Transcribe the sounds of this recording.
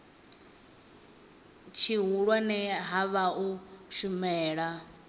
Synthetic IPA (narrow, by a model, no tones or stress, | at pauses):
t͡ʃʰiɦuɺwanɛɦaβauʃumɛːɺa